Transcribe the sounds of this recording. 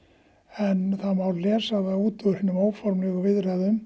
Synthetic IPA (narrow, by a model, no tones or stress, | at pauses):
ɛnθaðmaw̪lɛːsaðauːt̪ʏʏɾhɪnːʏmoːwfɔɾmlɛɣʏvɪðraːðʏm